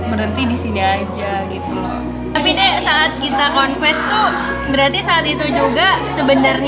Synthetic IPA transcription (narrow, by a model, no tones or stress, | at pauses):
məɾənt̪idisiniad͡ʒaɡit̪ulɔ | t̪apidɛsaːt̪̚kit̪akɔnfɛst̪u | bəɾat̪isaːt̪it̪ud͡ʒuɡasəbənərɲ